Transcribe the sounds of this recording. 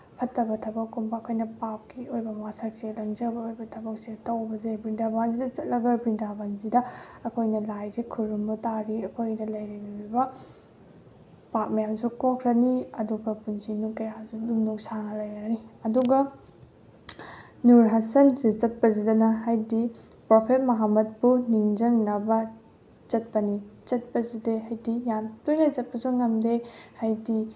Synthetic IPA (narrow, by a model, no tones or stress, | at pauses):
pʰɐtːɐbɐtʰɐbɐkːumbɐːkʰojnɐpap̚kiojbɐwasɐk̚selɐŋd͡ʒɐbɐojbɐtʰɐbɐk̚setɐwbɐzebindabaŋzidɐt͡ʃɐt̚lɐɡɐɾbindabanzidɐɐkʰojnɐlajzikʰuɾumbɐtaɾiɐkʰojnɐlɐjɾibibibɐ | pap̚mɐjamsukokʰɾɐniɐduɡɐpunzinukɐjazudumnuksaŋɐlɐjɾɐniɐduɡɐ | nuɾɦɐsɐnzit͡ʃɐt̚pɐzidɐnɐɦajdi | popʰet̚mɐɦamɐt̚puniŋd͡ʒɐŋnɐbɐ | t͡ʃɐt̚pɐnit͡ʃɐt̚pɐzideɦajdijamtujnɐzɐt̚pɐzuŋɐmdehajdi